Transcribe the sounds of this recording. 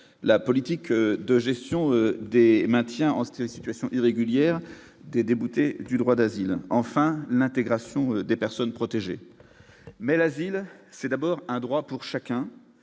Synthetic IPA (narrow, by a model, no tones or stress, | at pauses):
lapɔlit̪ikd̪əʒɛst̪jɔ̃ød̪emɛ̃t̪jɛ̃ɑ̰̃ssi̥t̪ɥasjɔ̃ʔiʁeɡʲyljɛʁ | d̪ed̪ebut̪ed̪yd̪ʁwad̪azilɑ̃fɛ̃lɛ̃t̪eɡʁasjɔ̃ød̪epɛʁsɔnpχɔt̪eʒḛ | mɛlazilsɛd̪abɔʁɛ̃d̪ʁwapuʁʃakʲɛ̃